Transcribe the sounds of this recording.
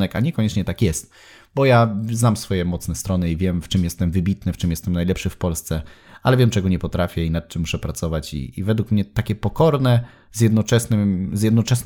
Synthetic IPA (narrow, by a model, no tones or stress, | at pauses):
ɛkaɲɛkɔɲɛt͡ʂɲɛt̪akjɛst̪̚ | bɔjaznamsfɔjɛmɔt̪snɛst̪ɾɔnɘivʲjɛmft͡ʂɘmjɛst̪ɛmvɘbʲit̪nɘft͡ʂɘmjɛst̪ɛmnajlɛpʂɘfpɔlst̪sɛ | alɛvʲjɛmt͡ʂɛɡɔɲɛpɔt̪ɾafʲjɛinat̪̚t͡ʂɘmːuʂɛpɾasɔvat͡ɕḭːvɛd̪wukmɲɛt̪akʲɛpɔkɔɾnɛ | zʲjɛd̪nɔt͡ʂɛsnɘmzʲjɛd̪nɔt͡ʂɛsn